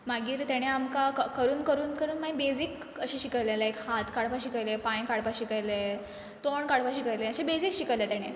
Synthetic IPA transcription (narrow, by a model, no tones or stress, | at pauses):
maɡiːɾt̪jaɽ̃eamkakəkəɾuːnkəɾuːnkəɾuːnmaibed͡zik | əɕiɕikəjlelaekhat̪kaɽpaɕikəjlepãj̃kaɽpaɕikəjle | t̪oɳkaɽpaɕikəjleəɕebed͡zikɕikəjlet̪aɽ̃e